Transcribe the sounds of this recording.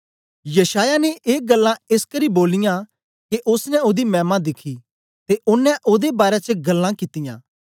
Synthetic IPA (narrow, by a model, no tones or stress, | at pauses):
jɐʃaːjaneʔeːk̚ɡɐlːãɪskɐɾiboːlɪjã | keʔʊsnɛʊd̪imɛ̃ːmãd̪ɪkʰi | t̪eʔʊnːɛʔoːd̪ebaːɾɛt͡ʃəɡɐlːãkɪt̪ɪjã̰ː